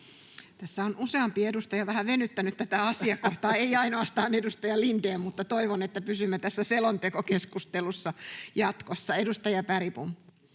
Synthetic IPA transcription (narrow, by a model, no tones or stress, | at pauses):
t̪æsːæonuseɑmpiedust̪ɑjɑʋæhæʋenːyt̪ːænyt̪t̪æt̪æɑsiɑkoht̪ɑːeiɑinoɑst̪ɑːnedust̪ɑjɑlint̪eːmmut̪ːɑt̪oiʋonet̪ːæpysymːet̪æsːæselont̪ekokeskust̪elusːɑjɑt̪kosːɑedust̪ɑjɑpæripum